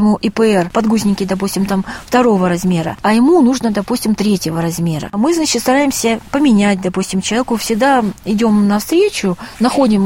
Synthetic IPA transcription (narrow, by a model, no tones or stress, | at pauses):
ɪmuʔɪpəɛrpɐd̪ɡuzʲnʲɪkʲɪd̪ɐp̬usʲtʲɪmt̪amft̪ɐɾo̞vəɾɐzmʲe̞ɾə̰ɐjɪmunuʐnəd̪ɐpusʲtʲɪmt̪ɾʲetʲjɪvəɾɐzmʲe̞ɾə̰mɨznat͡ɕɪt̪st̪ɐɾajɪmsʲəpəmʲɪnʲæt̚ʲd̪ɐpusʲtʲɪmt͡ɕɪlˠɐvʲekʊfsʲɪɡd̪aɪdʲo̞mnɐfst̪ɾʲet͡ɕʊnɐxo̞dʲɪm